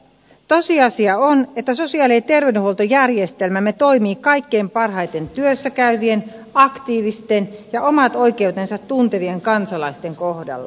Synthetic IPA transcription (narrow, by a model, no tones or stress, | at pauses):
t̪osiɑsiɑonet̪ːæsosiɑːliet̪e̞rʋenyhuolt̪ojærjest̪elmæmet̪o̞imiːkɑikːeːmpɑrhɑjt̪e̞nt̪yøsːækæyʋienɑkt̪iːʋist̪enjɑʔomɑt̪o̞jke̞ut̪ensɑt̪ːunt̪e̞ʋieŋkɑnsɑlɑist̪eŋkohdɑ̰lːɑ̰